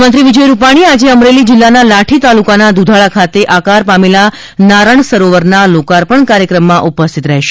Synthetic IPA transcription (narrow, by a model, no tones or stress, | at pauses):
mənt̪ɾiʋid͡ʒəjɾupaɽ̃iad͡ʒeəmɾelid͡ʒɪlːanalaʈʰit̪alukanad̪ud̪ʱaɭakʰat̪eʔakaɾpamela | naɾəɳsəɾoʋəɾnalokaɾpəɳkaɾjəkɾəmːãʔupəst̪ʰit̪ɾəɦeʃe̥